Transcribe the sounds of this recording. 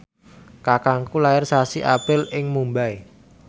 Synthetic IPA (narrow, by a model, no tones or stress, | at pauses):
kakaŋkulaɪrsasiʔapɪlɪŋmumbai